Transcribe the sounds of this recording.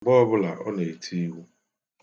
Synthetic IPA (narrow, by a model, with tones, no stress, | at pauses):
ɡ͡bɔ˦ɔ˦bʊ˦la˨ʔɔ˦ne˨tʰi˦wu˦